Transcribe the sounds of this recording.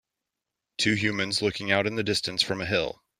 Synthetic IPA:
tʰʉɦjʉmɨ̃nzlʊkɪ̃ŋaʊɾɨ̃nðɨdɪstɨ̃nsfɹʌ̃mɨɦɪ̰lˠ

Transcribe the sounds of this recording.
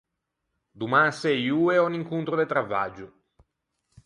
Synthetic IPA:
d̪umasɛjuːeɔniŋkunt̪ɾod̪et̪ɾavːa̰d͡ʒu

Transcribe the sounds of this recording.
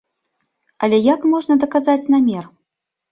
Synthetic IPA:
ɐlʲɛjakmɔʐnɐd̪ɐkazat͡sʲnamʲɛr

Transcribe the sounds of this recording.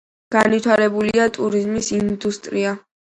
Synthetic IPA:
ɡ̥anit̪ʰaɾɛbuliat̪ʼuɾizmisind̪ust̪ʼɾia

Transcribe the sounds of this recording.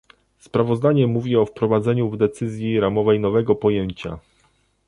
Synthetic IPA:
spɾavɔzd̪aɲɛmuvʲiɔfpɾɔvad̪zɛɲuvd̪ɛt̪sɘzʲjiɾamɔvɛjnɔvɛɡɔpɔjeɲt͡ɕa̰

